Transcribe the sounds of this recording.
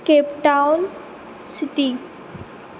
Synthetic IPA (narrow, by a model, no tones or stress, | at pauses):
keːpʈawn | sɪt̪i